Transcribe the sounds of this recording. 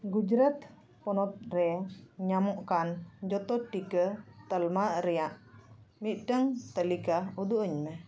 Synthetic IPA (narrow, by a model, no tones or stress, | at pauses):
ɡud͡ʒɾat̪ | pɔnɔt̪̚ɾɛɲamɔʔkand͡ʒɔt̪ɔʈikət̪əlmaʔɾɛjaʔ | mit̪̚ʈəŋt̪əlikaud̪uʔəɲmɛ